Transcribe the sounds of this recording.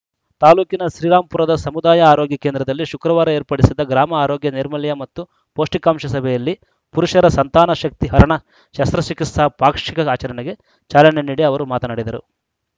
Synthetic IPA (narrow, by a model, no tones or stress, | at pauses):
t̪aːluːkinɐʃɾiːɾaːmpuɾɐd̪ɐsɐmud̪aːjɐaːɾoːɡjɐkeːnd̪ɾɐd̪ɐlːiʃukɾɐʋaːɾɐeːɾpɐɽisid̪ɐɡɾaːmɐaːɾoːɡjɐniɾmɐljɐmɐt̪ːu | poːʂʈikaːmʃɐsɐbʱɛjɐlːi | puɾuʂɐɾɐsɐnt̪aːnɐʃɐk̚t̪iɦɐɾɐɳɐ | ʃɐst̪ɾɐʃikisɐpaːkʂikɐaːt͡ʃɐɾɐɳɛɡe | t͡ʃaːlɐɳeniːɽiɐʋɐɾumaːt̪ɐnɐɽid̪ɐɾṵ